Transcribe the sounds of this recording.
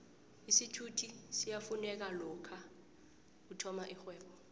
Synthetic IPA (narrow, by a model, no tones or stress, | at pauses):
isitʰutʰisijafunɛk̬alɔkʰa | utʰɔmaʔixwɛːɓɔ